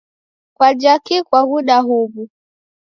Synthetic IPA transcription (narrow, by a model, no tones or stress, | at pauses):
kwad͡ʒakikwaɣuɗaɦuβu